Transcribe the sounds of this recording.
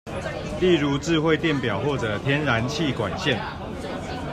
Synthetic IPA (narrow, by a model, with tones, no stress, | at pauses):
li˥˨ɻu˨˦t͡sɻ̩˥˧xwe˥˧ɪt̪jɛ˥˨npjɑ˨˩ʊxwɔ˥˨ʈ͡ʂə˨˩t̪ʰjɛ˦nɻa˧˦nt͡ɕʰi˥˨kwa˨˩nɕɛ˥˨n